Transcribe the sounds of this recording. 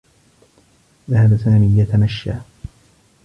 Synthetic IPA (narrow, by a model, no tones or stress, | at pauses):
ðahabasaːmiːjat̪amaʃːaː